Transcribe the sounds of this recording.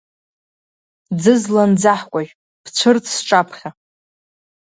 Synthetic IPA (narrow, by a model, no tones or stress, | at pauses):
d͡zɨzland͡zaħkʷʼaʒʲᶣ | b̥ʰt͡ɕʷʰɨrt͡sʰʼsʈ͡ʂʼapʰχʲa